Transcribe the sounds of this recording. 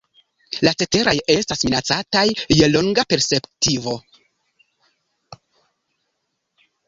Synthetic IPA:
lat͡se̞te̞ɾaje̞stasminat͡satajːe̞lo̞ŋɡape̞ɾspe̞ptivo̞

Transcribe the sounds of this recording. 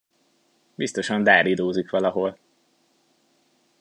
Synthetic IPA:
bist̪o̞ʃɒnd̪aːɾid̪oːzikʋɒlɒɦo̞l

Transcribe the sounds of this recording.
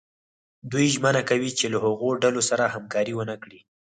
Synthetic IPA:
d̪ujʒmənakawit͡ʃelahaɣoɖalosaɾahamkɑɾiwənakɽi

